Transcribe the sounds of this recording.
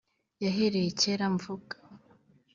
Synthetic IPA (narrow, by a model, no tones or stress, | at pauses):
jaɦeɾejeceɾaɱvuɡḁ